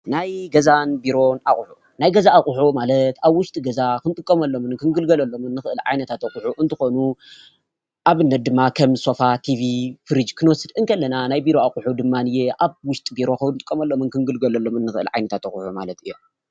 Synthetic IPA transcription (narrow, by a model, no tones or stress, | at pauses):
najɡɐzanbiɾo̞na̰χʼħu | najɡɐzaːχʼʊħumalɐt̪aβwʊʃt̪ʼiɡɐzakɨnt̪ʼɨkʼːɐmɐlːo̞mɨnkʰɨŋɡɨlɡɐlɐlːo̞mɨnːɨxɨʔɨlʕa̰jnɐt̪ʰat̪ɐxʼħuʔɨnt̪ʰɨxo̞nu | ʔaβɨnːɐt̪̚d̪ɨmːakʰɐmso̞fat̪ʰivifɨɾɨd͡ʒkʰɨnwɔsɨd̪ɨŋkʰɐlːɐnanajbiɾo̞aχʼħud̪ɨmːanɨjeʔaβwʊʃt̪ʼbiɾo̞kʰɐwnt̪ʼɨkʼːɐmɐlːo̞mɨnkɨŋɡɨlɡɐlɐlːo̞mɨnːɨxɨʔɨ̰lʕa̰jnɐt̪ʰat̪ɐxʼuħuma̰lɐt̪ʰɨjːo